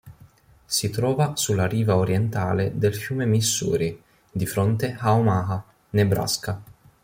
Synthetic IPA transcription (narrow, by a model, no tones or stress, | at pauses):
sit̪ɾɔːvasulːaɾiːvaoɾjɛnt̪aːled̪elfjuːmemisːṵːɾi | d̪ifɾɔnt̪eaomaːɦa | nebɾa̰ska